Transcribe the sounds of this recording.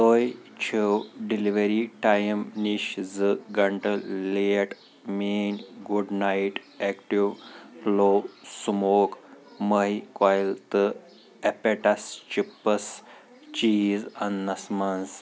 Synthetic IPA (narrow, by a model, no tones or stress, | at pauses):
t̪oːjt͡ʃʰiwɖiliʋeɾiʈajmniʃzɨɡɐɳʈɐlijɐʈ | meːnɡuɖnajʈ | ekʈiwloːsmoːkməɦikwajilt̪ɨ | epeʈɐst͡ʃipːɐs | t͡ʃiːzɐnːɐsmɐns